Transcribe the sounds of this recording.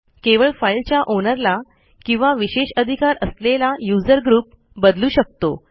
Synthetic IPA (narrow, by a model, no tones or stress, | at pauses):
keʋəɭfailt͡ɕjaʔonəɾla | kĩw̃ʋaʋiɕeɕəd̪ʱikaɾəslelajud͡zəɾɡɾuːp̚ | bəd̪luːɕək̚t̪o